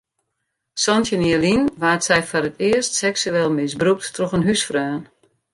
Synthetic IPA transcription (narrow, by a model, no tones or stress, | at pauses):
sɔntjəniəlinʋaːtsɛjfɔɾətʰɪəstsɛksyɛːlˠmɪsbruk̚tːrɔxənɦysfrœːn